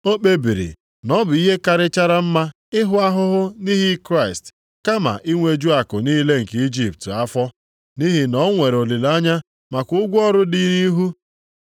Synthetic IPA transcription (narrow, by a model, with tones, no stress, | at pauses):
o˦k͡pe˦bi˨ɾḭ˨ | nɔ˦bʊ˨i˦ɦe˦ka˨ɾɪ˦t͡ʃa˦ɾa˦m̩˦ma˦ | ɪ˦ɦʊ˦a˦ɦʊ˦ɦʊ˦ni˦ɦi˦kɾa˦˨ɪ˨st | ka˦ma̰˨ʔi˦ŋʷe˦d͡ʒu˦a˨kʊ˨niː˦le˦ŋ̩˨ki˦d͡ʒi˦p̚ta˦fɔ˦ | ni˦ɦi˨nɔ˦ŋʷe˨ɾo˨li˨la˦ɲa˦ | ma˨kʷʊ˦ɡʷʊ˦ɔ˦ɾʊ˦dɪ˦ni˦ɦu˦